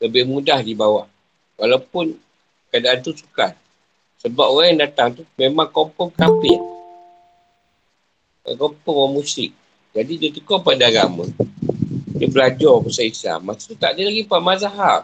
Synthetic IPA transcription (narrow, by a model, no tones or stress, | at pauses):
ləbɪhmudahdibawah | walawpʊn | kadaʔant̪usu̥kat̪̚ | səbap̚oɣajaŋdat̪aŋt̪umemaŋkɔmpɔŋkapɪn | kɔmpɔŋɔmusɪk̚ | d͡ʒadidət̪əkɔpadaɡamã̰ | dəbəlad͡ʒɔrkəsaisa̰mːasu̥t̪ut̪aʔdəlaɡipaʔmazaɦaʔ